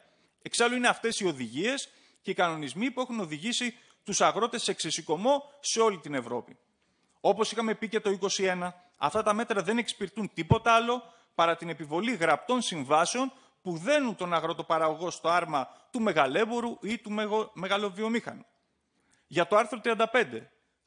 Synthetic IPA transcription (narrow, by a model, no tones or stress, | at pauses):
e̞ksɐluineɐft̪e̞sio̞ðiʝie̞s | ceikɐno̞nizmipue̞xuno̞ðiʝisi | t̪usɐɣɾo̞t̪e̞seksesiko̞mo̞se̞o̞lit̪ine̞vɾo̞pi | o̞po̞sixɐme̞pice̞t̪o̞iko̞sie̞nɐ | ɐ̰ft̪ɐt̪ɐme̞t̪ɾɐðe̞ne̞kspiɾt̪unt̪ipo̞t̪ɐɐlo̞ | pɐɾɐt̪ine̞pivo̞liɣɾɐp̚t̪o̞nsiɱvɐseo̞n | puðe̞nunt̪o̞nɐɣɾo̞t̪o̞pɐɾɐɣo̞ɣo̞st̪o̞ɐɾmɐt̪ume̞ɣɐle̞bo̞ɾuʔit̪ume̞ɣɐloviomixɐ̰nu | ʝɐt̪o̞ɐɾθɾot̪ɾiɐnd̪ɐpe̞nd̪e̞